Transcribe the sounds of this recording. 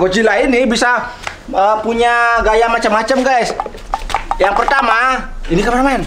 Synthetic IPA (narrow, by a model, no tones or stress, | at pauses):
ɡot͡ʃilainibisa | əpuɲaɡajamat͡ʃamːat͡ʃamɡajs | jaŋpərt̪amainikamarnmaɪn